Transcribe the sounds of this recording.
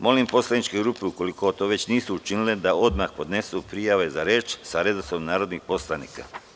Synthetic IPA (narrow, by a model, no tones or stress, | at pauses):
mo̞limpo̞slˠanit͡ʃkeɡɾuːpeuko̞liko̞t̪o̞ːʋe̞t͡ɕniːsuut͡ʃiniled̪ao̞d̪maxpo̞d̪ne̞supɾijaʋe̞zaɾe̞ːt͡ʃsaɾe̞d̪osomnaːɾo̞d̪nixpo̞slˠanḭːka̰